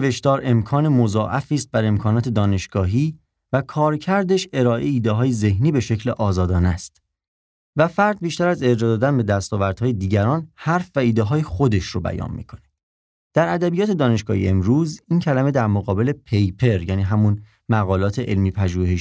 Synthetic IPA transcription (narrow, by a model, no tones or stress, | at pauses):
veʃd̪ɒːɾe̞mkʰɒːnemo̞zɒːʔæfiːst̪̚bæɾe̞mkʰɒːnɒːt̪ʰe̞d̪ɒːne̞ʃɡ̥ɒːɦiː | vækʰɒːɾcʰæɾd̪e̞ʃe̞ɾɒːʔeiːd̪eɦɒːjeze̞hniːbe̞ʃe̞cʰleʔɒːzɒːd̪ɒːnæst̪ | væfæɾd̪̚biːʃt̪æɾæze̞d͡ʒɒd̪ɒːd̪ænbe̞d̪æst̪ɒːvæɾd̪̥hɒːjed̪iːɟæɾɒːnhæɾfvæiːd̪eɦɒːjexo̞d̪e̞ʃɾobæ̰jɒ̰ːnmḭːkʰo̞ne̥ | d̪̥æɾæd̪æbijɒːt̪ʰe̞d̪ɒːne̞ʃɡ̥ɒːhḭe̞mɾuːzincʰælæme̞d̪æɾmoɣɒːbe̞le̞pʰe̞jpʰe̞ɾjæːniːɦæmun | mæɣɒːlɒːt̪ʰeʔelmiːpʰæʒuːheʃ